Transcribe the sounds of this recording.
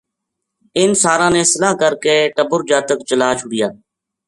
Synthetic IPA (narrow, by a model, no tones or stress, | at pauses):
ɪnsaːɾãːnẽːsəlaːkəɾkeːʈəbʊɾd͡ʒaːt̪əkt͡ʃəlaːt͡ʃʰʊɽɪjaː